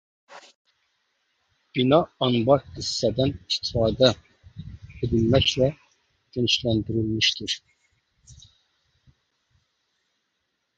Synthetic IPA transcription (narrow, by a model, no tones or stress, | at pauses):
b̥inɑɑnbɑɾhisːɛd̪ɛnist̪ʰi̥fɑːd̪ɛ | ed̪ilmɛcʲlɛ | d̪̥inʃlɛnd̪iɾilmiʃt̪ʰiɾ